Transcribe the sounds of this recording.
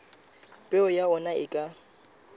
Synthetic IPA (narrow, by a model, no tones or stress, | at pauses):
pʼɛʊjaɔnaɪkʼa